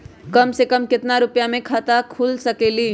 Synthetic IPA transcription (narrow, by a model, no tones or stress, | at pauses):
kɐmsekəmkɪt̪naɾʊpjamẽkʰat̪akʰuːlsɐkeːliː